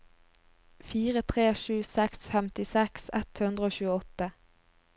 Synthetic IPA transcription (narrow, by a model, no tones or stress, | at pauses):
fiːʁət̪ʰʁeːʃʉːsɛksfɛmt̪ɪsɛksɛt̪hʉnd̪ʁəoːçʉːəɔt̪ə